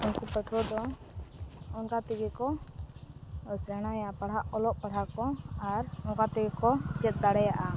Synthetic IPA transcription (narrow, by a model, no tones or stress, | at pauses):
unkupəʈʰɔd̪ɔ | ɔnkat̪ɛɡɛkɔ | sɛɽ̃ajapaɽ̤aʔɔlɔʔpaɽ̤akɔaɾɔŋkat̪ɛɡɛkɔt͡ʃɛt̪̚ˀd̪aɽɛjaʔa